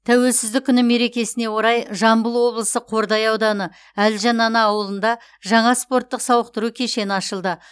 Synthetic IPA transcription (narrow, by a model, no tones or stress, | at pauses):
t̪ʰæwe̞lsɪzd̪ɪkʲʰːʏnɪmːe̞ɾe̞kʲe̞sɪne̞wo̞ɾɑjʒɑmbəlˠwo̞blˠəsəqʰo̞ɾd̪ɑjɑwd̪ɑnə | ælʒɑnɑnɑːwəlˠənd̪ɑ | ʒɑɴɑspo̞ɾt̪ːəqsɑwəq̚t̪əɾukʲʰe̞ʃe̞nɪɑʃəlˠd̪ə